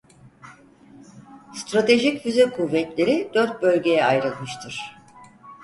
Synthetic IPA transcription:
st̪ɾat̪ʰe̞ʒicvyzɛkʰuvːɛt̪lʲe̞ɾid̪øɾt̪̚bø̞lʲɟe̞jɛajɾɯlˠmɯʃt̪ʰɯɾ̥

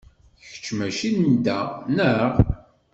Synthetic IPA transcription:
çə̥t͡ʃːmæʃind̪ænəʁ

